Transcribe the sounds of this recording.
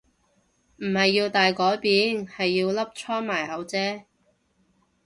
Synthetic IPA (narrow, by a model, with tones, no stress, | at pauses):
m̩˨˩hɐ˨jːiː˧wt̪aː˨jkɔː˨˥jpiː˨˧nhɐ˨jːiː˧wlɐ˥p̚t͡ʃʰɔː˥maː˨˩jhɐ˨˧wt͡sɛː˥